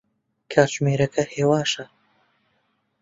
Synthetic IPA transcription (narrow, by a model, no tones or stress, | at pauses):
kʰaːɾt͡ʃmeːɾɐkʰɐheːwaːʃɐ